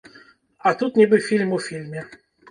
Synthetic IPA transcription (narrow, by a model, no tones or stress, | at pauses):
at̪ut̪nʲɪbɨfʲilʲmʊfʲilʲmʲɪ